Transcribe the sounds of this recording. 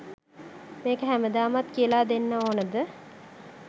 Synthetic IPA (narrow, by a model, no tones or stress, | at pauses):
meːkəɦæməd̪aːmat̪kijəlaːd̪enːəoːnəd̪ə